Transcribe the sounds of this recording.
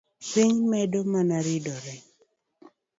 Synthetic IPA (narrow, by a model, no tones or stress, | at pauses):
siŋmɛdomanaɾɪdɔɾɛ